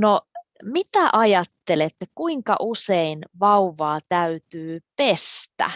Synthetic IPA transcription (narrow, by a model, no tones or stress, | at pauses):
nomit̪æʔɑjɑt̪ːelet̪ːekuiŋkɑ̰ʔuseinʋɑuʋɑːt̪æyt̪yːpest̪æ̰